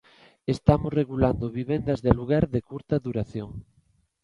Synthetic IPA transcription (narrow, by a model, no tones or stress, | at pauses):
est̪amosreɣuland̪oβiβend̪azðeluɣ̞aɾðekuɾt̪aðuɾaθjoŋ